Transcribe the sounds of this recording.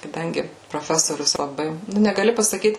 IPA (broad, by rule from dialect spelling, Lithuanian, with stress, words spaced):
kɐˈdɐŋʲɡʲɪ proːˈfʲæːsoːrʲʊs lˠɐˈbɐɪ nʊ nʲɛɡɐˈlʲɪ pɐsɐˈkʲiːt